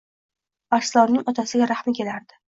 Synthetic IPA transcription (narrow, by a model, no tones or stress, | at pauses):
aɾslˠɒnnɪŋɒt̪ʰasɪɡʲaɾahmɪkʲʰe̞laɾd̪ɪ